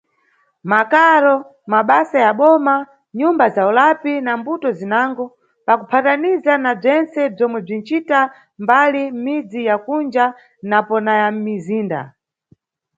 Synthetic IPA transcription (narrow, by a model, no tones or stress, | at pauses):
makaɾɔ | maɓasajaɓɔma | ɲumbazaulapinambutɔzinaŋɡɔ | pakupʰatanizanab͡ʐɛnt͡sɛb͡ʐɔmwɛb͡ʐin̩t͡ʃita | mbalim̩mid͡zijakund͡ʒa | napɔnajam̩miziːnda̰